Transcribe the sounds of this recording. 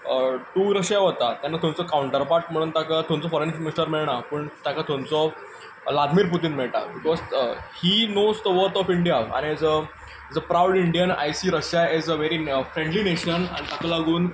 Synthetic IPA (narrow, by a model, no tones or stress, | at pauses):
əʈuːɾəɕjaʋot̪at̪janːat̪ʰõnt͡sɔkauɳʈəɾpaɾʈ̚m̤əɽ̃uːnt̪akat̪ʰõnt͡sɔfɔɾenminisʈəɾmiɭɳapəːɳt̪jakat̪ʰõnt͡sɔ | lad̪miːɾput̪̬iːnmeɭʈa̰bikɔzhinozd̪əʋəɾt̪ɔfiɳɖijaa̰ñiɛd͡zə | d͡zəpɾawɽiɳɖijəna̰jsiːɾəɕjaɛzəʋeɾifɾẽɳɖlineɕəna̰nit̪akalaɡuːn